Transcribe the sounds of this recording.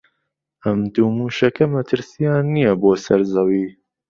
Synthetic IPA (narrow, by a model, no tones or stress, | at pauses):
ʔɐmd̪uːmuːʃɐkʰɐmɐt̪ʰɨɾsijaːnːijɐboːsɐɾzɐwiː